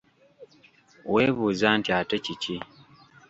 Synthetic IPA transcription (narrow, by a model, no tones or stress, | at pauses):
weːβuːzantiatecici